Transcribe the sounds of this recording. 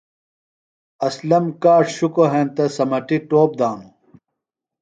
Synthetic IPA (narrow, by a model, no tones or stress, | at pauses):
ɐslɐmkaːʂɕukoɦẽːnt̪ɐsɐmɐʈiʈoːp̚d̪aːnu